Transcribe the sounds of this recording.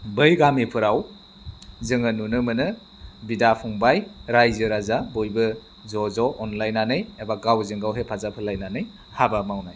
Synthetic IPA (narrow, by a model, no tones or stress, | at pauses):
bɯjɡamipʰɯɾaw | zɯŋɯnunɯmɯnɯ | bidapʰuŋbajɾajzɯɾazabojbɯ | zɔzɔʔɔnlajnanɯjebaɡawzɯŋɡawɦepʰazapʰɯlajnanɯj | habamawnaj